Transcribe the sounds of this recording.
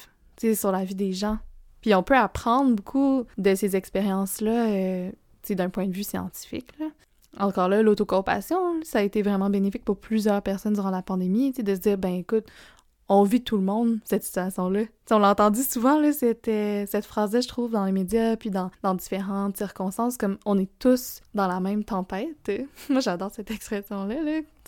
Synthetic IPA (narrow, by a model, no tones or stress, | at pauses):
t͡sesyʁlavid̪eʒɑ̃piɔ̃pøapχɑ̃d̪ʁbukʰud̪əsezɛkspeʁjɑ̃slʌø | t͡sed̪œ̃pwɛ̃d̪əvysjɑ̰̃t̪i̥fɪ̰klʌ | ɑ̃kɑːʁlʌlot̪okɔ̃pa̰sjɔ̃saːet̪evʁɛmɑ̃benefɪk̚pʊʁplyzjœːʁpɛʁsɔnd̪yʁɑ̃lapɑ̃d̪emit͡sed̪əs̬əd͡ziːʁbɛ̃ekʊt̪ | ɔ̃vit̪ʰulmɔ̃d̪sɛt̪si̥t̪yasjɔ̃lʌt͡seɔ̃laɑ̃t̪ɑ̃d̪ysuvɑ̃lʌset̪ɛsɛt̪fχaːzlʌʒət̪χuːvd̪ɑ̃lemed͡zjapɥid̪ɑ̃d̪ɑ̃d̪ifeʁɑ̃t̪siʁkɔ̃st̪ɑ̃skɔmɔ̃nɛt̪ʊsd̪ɑ̃lamɛ̃mt̪ɑ̃pɛɪt̪mwaʒad̪ɔːʁsɛt̪ɛkspχɛsjɔ̃lʌlʌ